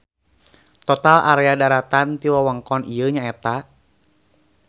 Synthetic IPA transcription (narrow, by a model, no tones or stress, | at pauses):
t̪ɔt̪alʔa̰ɾɛadaɾat̪ant̪iwawaŋkɔnʔijəɲaɛt̪a